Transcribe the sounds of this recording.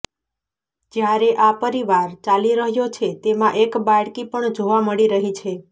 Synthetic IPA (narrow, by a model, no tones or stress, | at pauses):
d͡ʒjaɾeʔapəɾiʋaɾt͡ʃaliɾəɦjot͡ʃʰet̪emãʔekbaɽkipəɳd͡ʒoʋaməɽiɾəɦit͡ʃʰe